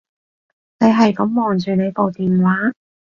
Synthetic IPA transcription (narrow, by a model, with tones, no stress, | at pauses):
ne˨˧jɦɐ˨jkɐ˨˥mːɔː˨˩ŋt͡ʃyː˨˩ne˨˧jpo˨wt̪iː˨m˨waː˨˥